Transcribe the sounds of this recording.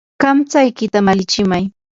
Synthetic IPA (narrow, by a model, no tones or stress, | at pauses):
kamt͡sajkɪt̪amalɪt͡ʃɪmaj